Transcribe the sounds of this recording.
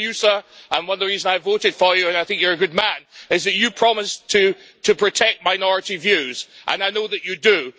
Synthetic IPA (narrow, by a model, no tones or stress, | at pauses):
jɨsəə̃nwʌ̃nðəɹizə̃naɪvoʊɾɨd̥fə˞jɨɨ̃naɪθɪ̃ŋkjə˞ɨɡʊd̚mæ̃nɪzðɨt͡ʃɨpʰɹ̥ɑmɨstʰɨ | tʰɨpʰɹ̥ɨtʰɛk̚t̚maɪnɔɹɨɾivjʉz̥ʔə̰̃naɪnoʊðɨt͡ʃɨdɨ